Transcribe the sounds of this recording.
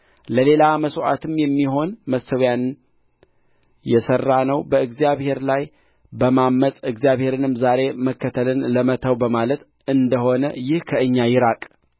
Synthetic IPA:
ləle̞laməsoʔa̰t̪ʰɨmjɛmːiɦo̞nməsəwjann | jɛsərːanəwbəɨɡzijaβhe̞ɾlaj | bəmamːəsʼɨɡzjaβhe̞ɾɨnɨmzaɾe̞məkːət̪ʰəlɨnləmət̪ʰəwbəmalət̪ | ɨnd̪əho̞nəjɪhkʰəʔɨɲːajɪɾakʼ

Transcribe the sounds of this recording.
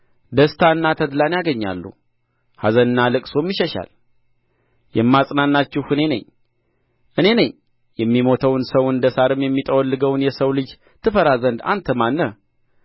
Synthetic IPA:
d̪əst̪ʰaɨnːat̪ʰəd̪lanjaɡəɲːa̰lːṵ | hazənɨnːalɨkʼso̞mjiʃɛʃa̰l | jɛmːasʼnanːat͡ʃːɪhɨne̞nə̰ɲː | ʔɨne̞nəɲ | jɛmːimo̞t̪ʰəwnsəwɨnd̪əsaɾɨmjɛmːit̪ʼəwɔlːɨɡəwnjɛsəwlɨd͡ʒ | t̪ʰɨfəɾazənd̪a̰nt̪ʰəmanːə

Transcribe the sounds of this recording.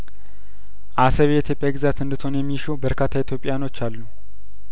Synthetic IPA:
ʔasəβeɛit̪ʰjo̞pʼjaɡɨzat̪ɨnd̪ɨt̪ʰo̞njɛmːiʃowbəɾkʰat̪ʰːait̪ʰjo̞pʼːɪjano̞t͡ʃːalːu

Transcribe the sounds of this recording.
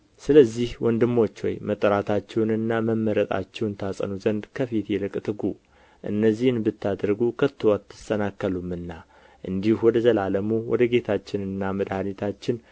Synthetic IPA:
sɨləzːihwɔnd̪ɨmːo̞t͡ʃːwɔ̰jmət̪ʼːəɾat̪ʰat͡ʃːɛwnɨnːaməmːəɾət̪ʼa̰t͡ʃːɛwnt̪ʰasʼə̰nuzənd̪kʰəfit̪jɛlɨkʼt̪ʰɨɡu | ʔɨ̰nːəzːihɨnbɨt̪ʰːad̪ɾɡukʰət̪ʰːɨwat̪ʰːɨ̥st̪ənakːəlumɨnːa | ʔɨnd̪ihwɔd̪əzəlaləmuwɔ̰d̪əɡe̞t̪ʰat͡ʃːɪnɨnːaməd̪hanet̪ʰat͡ʃːɪn

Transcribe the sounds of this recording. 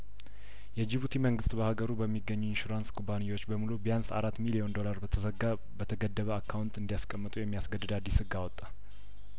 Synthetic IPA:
jɛd͡ʒiβut̪ʰiməŋɡɨst̪bəhaɡəɾubəmːiɡːəɲːuɪnʃuɾanskʰubanijwo̞t͡ʃːbəmulubijansa̰ɾat̪ːmilio̞nd̪o̞laɾə | bət̪ʰəɡəd̪ːəβəakʰːawunt̪ɨnd̪ijaskʼəmːɨt̪ʼujɛmːijasɡəd̪ːɨd̪ad̪ːisɨɡawɔt̪ʼːa

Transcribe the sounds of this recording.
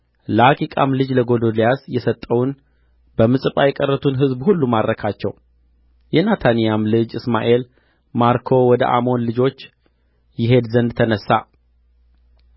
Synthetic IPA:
ləakʰʼikʼa̰mlɨd͡ʒləɡo̞d̪o̞lijasjɛsət̪ʼːəwun | bəmɨsʼɨpʼajɛkʼərːət̪ʰunɦɨzbhulːumad̪ɾəkʰat͡ʃːɛw | jɛnat̪ʰanijamlɨd͡ʒɨsmaʔe̞l | maɾkʰo̞wɔd̪ə̰ʔa̰mo̞nlɨd͡ʒo̞t͡ʃː | jɪɦe̞d̪zənd̪t̪ʰənəsːa

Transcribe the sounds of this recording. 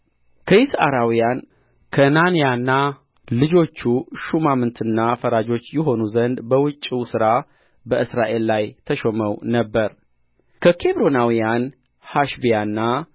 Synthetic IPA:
kʰəjɪsa̰ɾawijan | kʰənanijanːa | lɨd͡ʒo̞t͡ʃːuʃumamɨnt̪ʰɨnːafəɾad͡ʒo̞t͡ʃːjɛɦo̞nuzənd̪bəwɨt͡ʃʼːiwsɨɾa | bəʔɨsɾaʔe̞lːajt̪ʰəʃoməwnəbːəɾ | kʰəkʰe̞βɾo̞nawijan | haʃbijanːa

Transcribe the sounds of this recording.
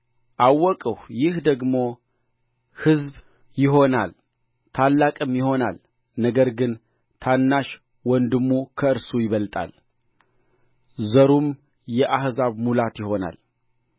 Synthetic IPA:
ʔawːɔkʼəhjɪhd̪əɡmo̞ | hɨzb | jɪɦo̞na̰l | t̪ʰalːakʼɨmjɪho̞na̰l | nəɡəɾɡɨn | t̪ʰanːaʃ | wɔnd̪ɨmːukʰəɨɾsujɪβəlt̪ʼa̰l | zəɾum | jɛʔahzaβmulat̪jɪho̞na̰l

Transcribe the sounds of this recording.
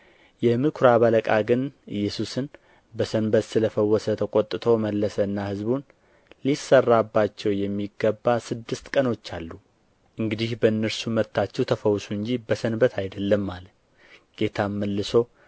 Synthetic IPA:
jɛmɨkʰɾaβələkʼaɡɨnɨjːɛsusɨn | bəsənbət̪sɨləfəwːɔsət̪ʰəkʼot̪ʼːɨt̪ʰo̞məlːəsəɨnːahɨzbun | lisːərːabːat͡ʃːɛwjɛmːiɡːəbːasɨd̪ːɨst̪kʼəno̞t͡ʃːalːu | ʔɨŋɡɨd̪ihbəɨnːəɾsumət̪ːat͡ʃːɛwt̪ʰəfəwːsuɨnɲd͡ʒibəsənbət̪ʰajd̪əlːəmːal | ɡ̥e̞t̪ʰamːəlːɨso̞

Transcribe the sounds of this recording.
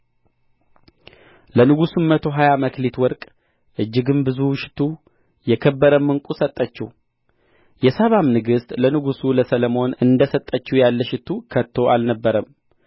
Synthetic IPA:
lənɨɡusumːət̪ʰo̞ɦajaməkʰlit̪wɔɾkʼ | ʔɨd͡ʒːɪɡɨnbɨzuʃɪ̥t̪ʰu | jɛkʰəbːəɾəmːɨŋkʼusət̪ʼːət͡ʃːɛh | jɛsəβamnɨɡɨst̪ʼlənɨɡusuləsələmo̞nɨnd̪əsət̪ʼːət͡ʃːujalːəʃɪt̪ʰukʰət̪ʰːo̞ʔalnəbːəɾəm

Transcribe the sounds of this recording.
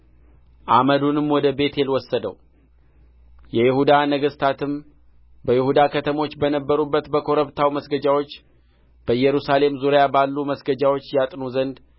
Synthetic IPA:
ʔa̰məd̪unɨmwɔd̪əbe̞t̪ʰjelwɔsːəd̪ə̰w | jɛjɪhud̪anəɡəst̪ʰat̪ɨm | bəjɪhud̪akʰət̪ʰəmo̞t͡ʃːbənəbːəɾubːət̪bəkʰo̞ɾəβt̪ʰawməsɡəd͡ʒawo̞t͡ʃː | b̥əjːɛɾusale̞mzuɾjabalːuməsɡəd͡ʒawo̞t͡ʃːjat̪ʼnuzənd̪

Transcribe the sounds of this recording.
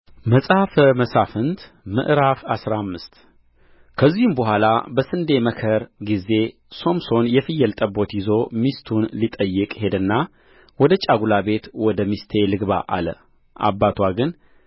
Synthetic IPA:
məsʼhafməsafɨnt̪ | mɨ̰ʔɾafasɾamːɨst̪ | kʰəzːihumbəɦʷalabəsɨnd̪e̞məkʰəɾɡize̞ | so̞mso̞njɛfɨjːɛlt̪ʼəbːo̞t̪jɪzo̞mist̪ʰunlit̪ʼəjːɨkʼhe̞d̪ɨnːa | wɔd̪ət͡ʃʼaɡulabe̞t̪wɔd̪əmist̪ʰe̞lɨɡba̰ʔa̰lə̰ | ʔa̰bːat̪ʰwaɡɨn

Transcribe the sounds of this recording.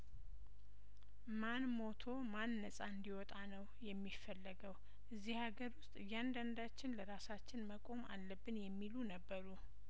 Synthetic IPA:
manmo̞t̪ʰo̞manːəsʼaɨnd̪iwɔt̪ʼanəwjɛmːifːəlːəɡəw | ʔɨzːihhaɡəɾwʊst̪ʼɨjːand̪and̪at͡ʃːɪnləɾasat͡ʃːɪnməkʼo̞malːəbːɨnjɛmːilunəbːəɾu

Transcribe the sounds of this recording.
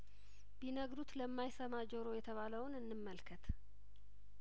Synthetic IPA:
binəɡɾut̪ləmːajsəmad͡ʒəɾo̞jɛt̪ʰəβaləwnɨnːɨmːəlkʰət̪

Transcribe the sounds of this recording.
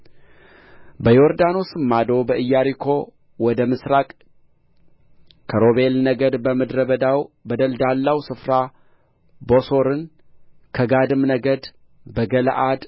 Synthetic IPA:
bəjoɾd̪ano̞sɨmːad̪o̞bəʔɨjːaɾikʰo̞ | wɔd̪əmɨsɾakʼ | kʰəɾoβe̞lnəɡəd̪bəmɨd̪ɾəbəd̪awbəd̪əld̪alːawsɨfɾa | bo̞so̞ɾɨn | kʰəɡad̪ɨmnəɡəd̪ | bəɡəl̰ʔad̪

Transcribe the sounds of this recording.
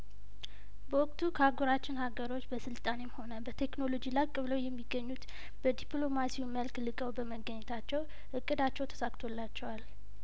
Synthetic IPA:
bəwɔkʼt̪ʰukʰəaɡoɾat͡ʃːɪnhaɡəɾo̞t͡ʃːbəsɨlt̪ʼanemho̞nəbət̪ʰe̞kno̞lo̞d͡ʒilajkʼɨβləwjɛmːiɡːəɲːut̪ | b̥əd̪ipʼlo̞masiwuməlklɨkʼəwbəməɡəɲːɛt̪ʰat͡ʃːɛw | ʔɨkʼːɨd̪at͡ʃːɛwt̪ʰə̥sakt̪ʰo̞lːat͡ʃːɛwal

